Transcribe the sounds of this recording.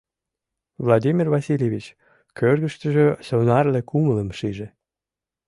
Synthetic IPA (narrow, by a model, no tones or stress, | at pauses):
vlad̪ʲimʲirvɑsilʲjevʲit͡ɕ | kørɣəʃt̪əʒøsonɑrlekumələmʃiʒĕ